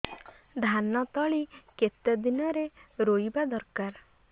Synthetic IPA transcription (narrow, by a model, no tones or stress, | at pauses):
d̪ʱanɔt̪ɔɭiket̪ːəd̪inɔɾeɾoibad̪ɔɾkaɾ